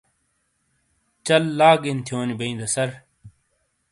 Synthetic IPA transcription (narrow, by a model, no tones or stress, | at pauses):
t͡ɕɐlːaːɡint̪ʰjoːnibɐĩːd̪ɐsɐɾ